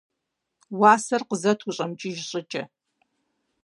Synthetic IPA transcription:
waːsɐrqəzɐtʰuɕʼɐmt͡ʃʼɪʒɕʼɪt͡ʃʼɐ

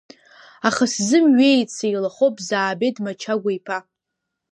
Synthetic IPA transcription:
aχaszɨmɥejt͡sejlaχowpʼzaːbejdmat͡ʃʰaɡʷajpʰa

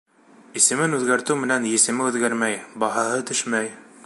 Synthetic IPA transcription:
isɘ̆mɘnʉðɡæɾt̪ɘwmɘ̆nænjɘ̆sɘ̆mɘʉðɡæɾmæjbɑɦɑɦɤt̪ɵʃmæj

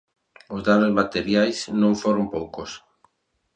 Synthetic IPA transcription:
ʊzðanʊzmat̪eɾjajsnõŋfoɾompowkos

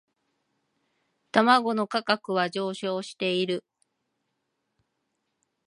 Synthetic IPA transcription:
t̪amaɡo̞no̞kakakɯ̟βaʑo̞ːɕo̞ːɕi̥t̪e̞iɾɯ̟

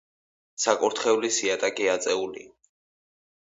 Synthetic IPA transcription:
sakʼuɾt̪ʰχɛulisiat̪ʼakʼiat̪sʼɛulḭa

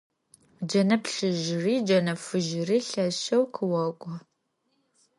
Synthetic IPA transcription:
d͡ʒɐnɐpɬɨʒriːd͡ʒɐnɐfɨʒɪriːɬɐʃɐwqʰɨwɐkʷʼɔ

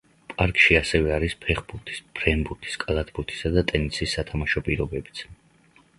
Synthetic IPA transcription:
pʼaɾkʼʃiasɛvɛaɾispʰɛχbuɾt̪ʰi̥sb̥ɾɛnbuɾt̪ʰi̥skʼalˠat̪ʰbuɾt̪ʰi̥sad̪at̪ʼɛnisisːat̪ʰamaʃɔpʼiɾɔbɛbit̪sʰ

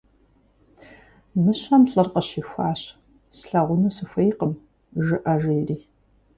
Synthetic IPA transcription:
mɨɕɐmɬʼɐrqɐɕiːxʷaːɕ | sɬɐʁʷʊmɨsɨxʷejqəm | ʒɨʔɐʒeːriː

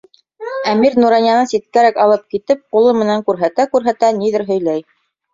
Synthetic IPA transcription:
æmiɾnuɾɑnjɑnɤsit̪̚kæɾækɑlˠɤp̚kit̪ɘp̚qulˠɤmɘ̆næŋkʉɾɦæt̪ækʉɾɦæt̪æniðɘɾɦɵ̆jlæj

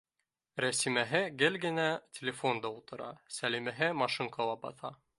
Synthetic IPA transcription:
ɾæsimæɦɘɡɘlɡɘ̆nætʲelʲɪfo̞nd̪ɑulˠt̪ɤ̆ɾɑ̰sælimæɦɘmɑʃiŋkolˠɑbɑ̰θɑ

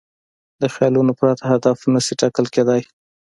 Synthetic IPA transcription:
d̪əxjɑlunopɾɑt̪aɦad̪afunasiʈɑkəlked̪aj

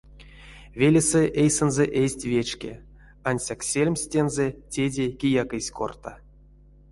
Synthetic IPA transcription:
vʲelʲeseʔejsenzɛʔesʲtʲvʲet͡ʃkʲḛ | anʲsʲaksʲelʲmʲsʲtʲenzetʲedʲekʲijakɨsʲko̰rt̪a

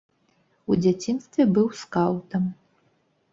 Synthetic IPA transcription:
ud͡zʲat͡sʲinst̪vʲɛbɨwskawt̪ɐm

